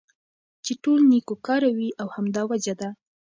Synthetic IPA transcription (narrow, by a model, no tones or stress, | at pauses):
t͡ʃeʈolnikokɑɾawiʔawhamd̪ɑwad͡ʒad̪a